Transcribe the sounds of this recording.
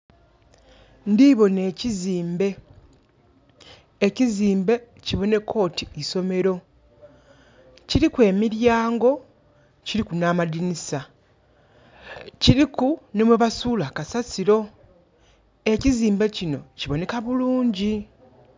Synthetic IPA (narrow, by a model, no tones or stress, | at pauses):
ndiβo̞ne̞ːciziːmbe̞ | ciziːmbe̞ | ciβo̞ne̞kʰːo̞ːtiiso̞me̞ɾo̞ | ciɾikwe̞ːmiɾjaːŋɡo̞ | ciɾikunamadinisa | ciɾikunemweβasuːlakasasiɾo̞ | e̞ciziːmbe̞cino̞ciβo̞ne̞kaβuluːɲɟi